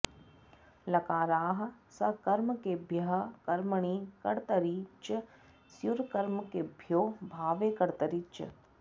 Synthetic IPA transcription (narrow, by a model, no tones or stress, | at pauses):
lɐkaːɾaːɦɐ̆sɐkɐɾmkebʱjɐɦɐ̆kɐɾməɳ̃iːkɐɽt̪ɐɾiːt͡ʃɐ | sjuɾkɐɾmkebʱjoːbʱaːʋeːkɐɽt̪ɐɾit͡ʃɐ̰